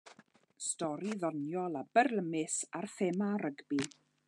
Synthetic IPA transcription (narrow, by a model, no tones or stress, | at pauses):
stɔɾiðɔnjɔlˠabərləmɪsarθemaɾəɡbi